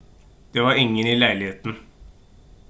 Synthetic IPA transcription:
d̪̥eːʋɑɾɪŋːəniːlæɪlɪheːt̪n̩

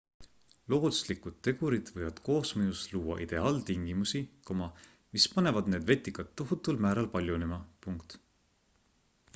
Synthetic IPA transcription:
lo̞ːd̪u̥slikud̪̥̚t̪ːe̞ɡ̥uɾid̪̥vɤjvɑd̪̥ko̞ːsmɤjusluːwɑ̰ʔid̪̥e̞ɑːlt̪iŋɡ̥imusikomɑ | mispɑne̞vɑd̪ne̞ːd̪̥ve̞t̪ːˑikɑt̪ːoɦut̪ːˑulmæːɾɑlpɑlʲjunemɑpuŋkt̪

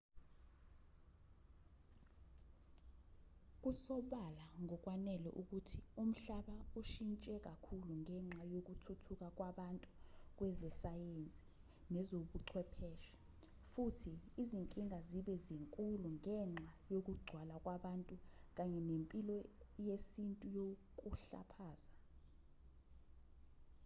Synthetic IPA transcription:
k̬ʼusɔɓalaŋɔk̬ʼwanɛlɛ̰ʔuk̬utʰium̩ɬaɓauʃint͡ʃʼɛk̬ʼakʰuluŋʱɛŋ͡ǁajok̬utʰutʰuk̬ʼak̬ʼwaɓantʼuk̬wɛzɛsajent͡sʼi̥ | nɛzoɓuǀʰwɛpʰɛːʃɛ̥ | futʰiːziŋkʼiŋʱaziɓɛziŋkʼuluŋɛŋ͡ǁʱajok̬uɡ͡ǀʱwalak̬ʼwaɓantʼuk̬aɲɛnempʼilɔjesintʼujok̬uɬa̰pʰaːza

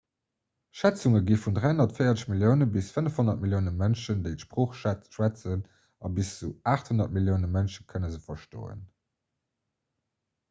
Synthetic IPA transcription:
ʃæt͡suŋəɡiːfundʁaɪonɐtfɜjɐt͡səʃmiljəʊnəbisfənəfhonɐt̚miljəʊnəmænʃəndeɪtəʃpʁoːχʃæʃwæt͡sən | ɑbiszuaːχthonɐt̚miljəʊnəmænʃəkʰənəzəfɐʃto̰ːə̰n

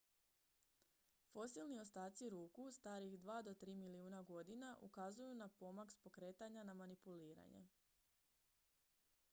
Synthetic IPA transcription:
fo̞silnio̞st̪aːt̪siɾuːkust̪aːɾiɣd̪ʋaːd̪o̞t̪ɾiːmiliuːnaɡo̞d̪inaʔṵkazujunapo̞makspo̞kɾe̞ːt̪aɲanamanipuliːɾa̰ɲḛ

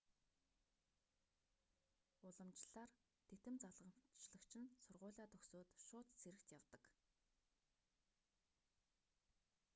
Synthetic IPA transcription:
ʊɮə̆mt͡ɕɮ̥aːr | t̪ʰet̪ɘ̆mt͡saɮʁə̆m̥t͡ɕɮə̆kt͡ɕʰɪ̆nsʊrʁʊ̟ːɮaːt̪ʰɵxsoːt̪ʃʊːt̪t͡sʰeɾɘ̆kt̪jawt̪ə̆k

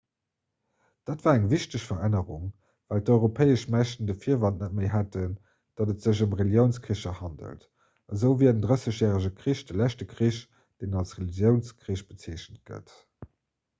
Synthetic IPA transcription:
d̥aːtvaːæŋviɕtəɕfɐʁænəʁuŋ | væːltɔʏʁopʰeɪəʃmæʃtəndəfiːɐvɑntnət̚meɪɦætən | d̥ɑdətz̥əʑumʁeljəʊnskʁiəʃɐhɑndə̰lt | ɑzəʊviːɐdəndʁəsəɕjɛːʁəʑəkʁiɕdəlæɕtəkʁiɕ | d̥enɑlsʁelizjəʊnskʁiːʃb̥ət͡seːɕnət̚ɡ̥ə̰t

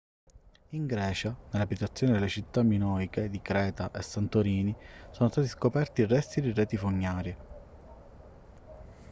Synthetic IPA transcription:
iŋɡɾɛːt͡ʃanelːabit̪at̪sːjoːnid̪elːet͡ʃit̪ːamːinɔːjked̪ikɾɛːt̪aʔesːant̪oɾiːnisoːnost̪aːt̪iskopɛrt̪irɛst̪id̪irɛːt̪ifoɲːaːɾje

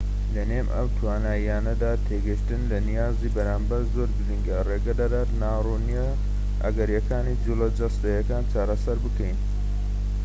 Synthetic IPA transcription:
lɐneːmʔɐ̰wt̪ʰwaːnaːijaːnɐd̪aːt̪ʰeɡɨʃt̪ɨnlɐnijaːziːbɐɾaːmbɐɾzo̞ːɾɡɨɾiŋɡɐreːɡɐd̪ad̪aːɾnaːruːnijɐ | ʔɐ̰ɡɐɾjɐkʰaːnid͡ʒulɐd͡ʒɐst̪ɐjɐkaːnt͡ʃaːɾɐsɐɾbɨkʰɛjn

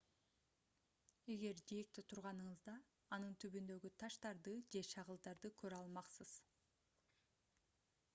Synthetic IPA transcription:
e̞ɡe̞ɾd̪ijek̚t̪it̪ʰuɾʁɑnɯɴɯzd̪ɑː | nɯnt̪ʰyβynd̪ø̞ɡyt̪ʰɑʃt̪ɑɾd̪ɯd͡ʒe̞ʃʰɑʁɯlˠd̪ɑɾd̪ɯkʰøɾɑlˠmɑqsɯz̥

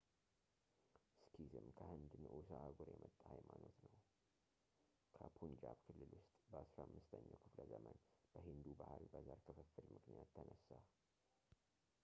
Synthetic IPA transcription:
skʰizɨmkʰəhɨnd̪ɨnʔusaaɡoɾjɛmət̪ʼːahajmano̞t̪nəw | kʰəpʰund͡ʒaβkʰɨlːɨlwʊst̪ʼbəʔasɾamːɨst̪ʰəɲːa̰wkʰɨfləzəmənb̥əɦind̪ubahalbəzaɾkʰɨfəfːɨlmɨknijat̪ʰːənəsːa

